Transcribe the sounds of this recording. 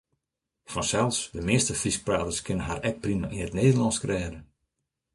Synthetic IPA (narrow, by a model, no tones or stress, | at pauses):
fɔnsɛlˠsdəmɪəstəfrisk̚praːtəskʰɪnənɦarɛk̚primaʔinətneːdəlɑnskrɛːdə